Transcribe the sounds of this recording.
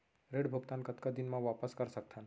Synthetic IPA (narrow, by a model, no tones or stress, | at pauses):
ɾeɽbʱuɡt̪ankət̪kad̪inmãʋapəskəɾsək̚t̪ʰan